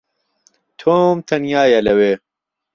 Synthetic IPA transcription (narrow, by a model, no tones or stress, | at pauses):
t̪ʰoːmt̪ʰɐnjaːjɐlɐwe